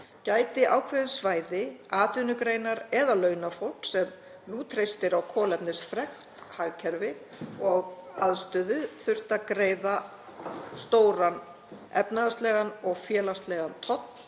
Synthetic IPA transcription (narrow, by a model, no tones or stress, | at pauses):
caːjt̪ɪʔawkʰvɛðɪnsvaːjðɪaːt̪ʏnʏkɾejnaɾɛðalœːɥnafowl̥ksɛm | luːt̪ʰɾejst̪ɪɾawkʰɔːlɛpnɪsfɾɛxtt̪haɣcʰɛɾvɪ | ɔɣaðst̪ʏːðʏθʏr̥t̪akɾeːjða | st̪oːwɾan | ɛ̰pnaðast̪lɛːɣanɔɣfjɛːlast̪lɛɣant̪ʰɔt̪ll̥